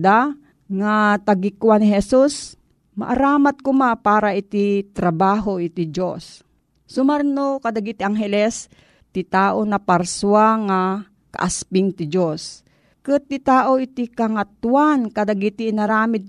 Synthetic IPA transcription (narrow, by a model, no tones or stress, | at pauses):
d̪a | ŋat̪aɡikuwanɪɦɛsus | ma̰ʔaɾaːmat̪̚kʊmapaːɾaʔit̪it̪ɾabaːɦoʔit̪id͡ʒosː | ʊmaɾnokad̪aɡit̪iʔaŋɦɛlɛs | t̪it̪aːʔonapaɾsuaŋa | ka̰ʔaspɪŋt̪id͡ʒos | kɨt̪ːit̪aːʔoʔit̪ikaŋat̪wankad̪aɡit̪iːnaɾaːmɪd̪̚